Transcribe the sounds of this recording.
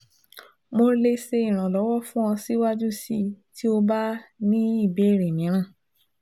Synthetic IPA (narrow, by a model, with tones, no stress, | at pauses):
mo˧le˧se˧i˦˨ɾ̃ã˨lɔ˨˦wɔ˦fũ˦ɔ̃˧si˦wa˦d͡ʒu˦sḭ˧ti˦o˧ba˦nĩ˦i˦˨be˨˦˨ɾe˨mĩ˨˦ɾ̃ã˦˨